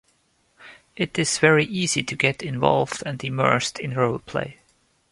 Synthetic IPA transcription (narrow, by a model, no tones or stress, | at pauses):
ʔɪɾɨz̥vɛɹiʔiziɾʰɨɡɛɾɪ̃ɱvɑ̰lˠvdɨ̃nɨmɜ̰˞stʰɪ̃nɹoʊlˠpʰl̥ḛɪ